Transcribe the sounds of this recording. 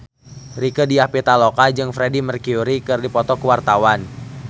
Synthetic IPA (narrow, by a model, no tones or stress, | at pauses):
rikədiapit̪alokad͡ʒɨŋfɾedimərkiuɾikɨrdipɔt̪ɔkəwart̪awan